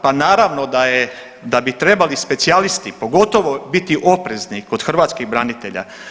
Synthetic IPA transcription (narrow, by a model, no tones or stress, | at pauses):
panaːɾaʋno̞d̪aje | d̪abit̪ɾe̞balispe̞t̪sialist̪ipo̞ɡo̞t̪o̞ʋo̞bit̪iʔo̞pɾe̞zniko̞d̪xrʋaːt̪skiɣbɾanit̪e̞ʎa̰